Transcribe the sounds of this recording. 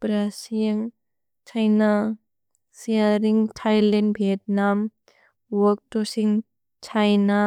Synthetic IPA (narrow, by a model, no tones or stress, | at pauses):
pɾasiŋ | t͡ʃʰajna | siaɾiŋtʰajlɛnbʱiɛt̚nam | wɔk̚tosiŋ | t͡ʃʰajna